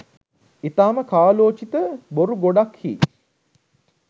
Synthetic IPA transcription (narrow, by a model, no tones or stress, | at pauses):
it̪aːməkaːloːt͡ʃit̪əboɾuɡoɖakhḭː